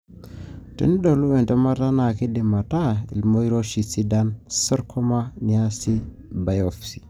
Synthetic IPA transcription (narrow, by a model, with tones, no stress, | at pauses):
tḛ˦ni˦ɗo˨lu˦we˨nta˦ma˦ta˦na˨ki˦di˨ma˨ta˦ḭ˨lmo˦i˦ɾo˦ʃi˨si˦da˦nsə˦ɾkʰo˦ma˦ni˨a˦si˦ | ba˨jo˨fsi̥˨